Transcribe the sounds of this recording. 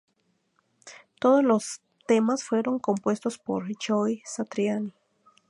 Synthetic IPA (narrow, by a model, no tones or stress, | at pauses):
t̪o̞ðoslos | t̪e̞masfwe̞ɾo̞ŋko̞mpwe̞st̪ospo̰ɾt͡ʃojsat̪ɾjani